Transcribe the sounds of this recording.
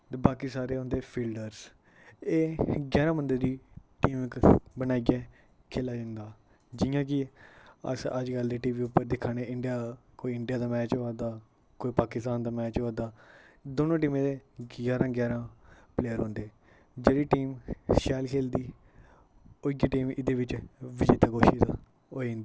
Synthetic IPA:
baːkiːsaːɾeːɦõːnd̪eːpʰiːlɖəɾz | eːɡɛːɾãːmənd̪əɾd̪iːʈiːmkbənaːiɡɛː | kʰeːlaːd͡ʒãːnd̪aː | d͡ʒɪjãːk̬ɪə̰səd͡ʒɡəld̪eːʈiːʋiːʊpːəɾd̪ɪkʰːaːneːɪɳɖijaːkoːiːɪɳɖijaːd̪aːmɛːt͡ʃoaːd̪aː | koːiːpaːkɪst̪aːnd̪aːmɛːt͡ʃɦoaːd̪aːd̪oːnõːʈ̬iːmẽːd̪eːɡaːɾãːɡɛːɾãː | pleːəɾɦõːnd̪eː | d͡ʒeːɽiːʈiːmʃɛːlkʰeːld̪iː | ʊɪɡeːʈiːmɪd̪eːʋɪt͡ʃʋɪd͡ʒeːt̪ãːɡoːʃiːt̪ː | oːẽːnd̪iː

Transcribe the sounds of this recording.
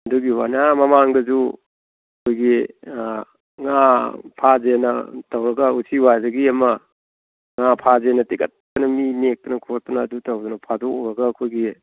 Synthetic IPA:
ɐduɡiwanamɐmaŋdɐzu | ɐkʰojɡi | ŋapʰazenɐtawɾɐɡɐusiwajzɐɡiɐmɐ | ŋapʰazenɐtiɡɐtːɐnɐminek̚tɐnɐkʰos̚tɐnɐːdutawdɔnɐpʰadoɾɐɡɐːkʰojɡi

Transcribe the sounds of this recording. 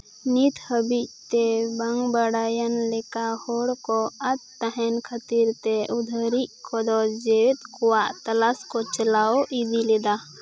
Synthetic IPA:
nit̪ʰhəbict̪ebəŋɡbəɽaːjənlekahoɽkɔɐt̪t̪ːəɦɛnkʰət̪iɾt̪eud̪ʱəɾiʔkʰɔd̪ɔd͡ʒeet̪kuwaʔt̪ɐlaskot͡ʃəlaoʔid̪iled̪a

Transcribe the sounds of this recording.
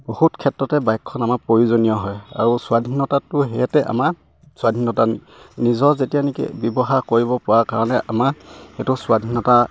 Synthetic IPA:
bohutkʰɛtɹɔtɛbajkʰːɔnamapɹoɹizonijɔɦɔja̰ɹusʊadʱinːɔtatʊɦɛjɛtɛʔa̰ma | sʊwadʱinːɔtan | nizɔɹzetijanekḭbɔbɔɦakoɹiβɔpɔɹakaɹɔnɛʔa̰maxetʊsʊwadʱinɔta

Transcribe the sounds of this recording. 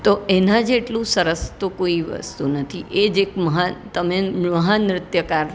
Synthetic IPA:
t̪oʔenãd͡ʒeʈlũsəɾəst̪ukoiʋə̰st̪unət̪ʰiʔed͡ʒekməɦat̪əmeməɦanɾɪt̪jəkaɾ

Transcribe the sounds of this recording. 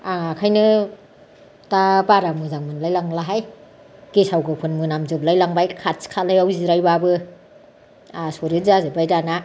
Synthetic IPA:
aŋakʰajnɯ | tabaɾamɯzaŋmɯnlajlaŋlaɦaj | kesawɡɯpʰɯnmɯnamzɯp̚lajlaŋbajkʰat̚skʰatlajawziɾajbabɯ | asoɾɯzazɯbajdana

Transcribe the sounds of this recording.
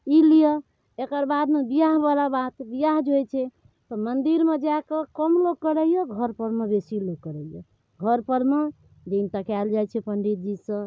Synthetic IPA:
ilijə | ekəɾbad̪mebijaɦbalabat̪bijaɦd͡ʒʱojt͡ʃʰɛ | t̪ɔmənd̪iɾmed͡ʒakəkəmloɡ̚kəɾəjɔɡʱəɾpəɾmebesiloɡ̚kəɾəijo | ɡʱəɾpəɾme | d̪int̪akald͡ʒajt͡ʃʰɛpəɳɖit̪̚d͡ʒisə̃

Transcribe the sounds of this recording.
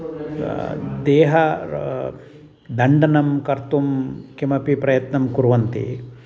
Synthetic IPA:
d̪eːɦɐ | d̪ɐɳɖɐnɐmkɐɾt̪umkimɐpipɾɐjɐt̪nɐmkuɾuʋɐnt̪ḭ

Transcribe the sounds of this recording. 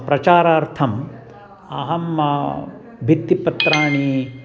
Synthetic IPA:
pɾɐt͡ʃaːɾaːɾt̪ʰɐm | ɐ̰ɦɐmːɐ | bʱit̪ːipːɐt̪ɾaːɳi

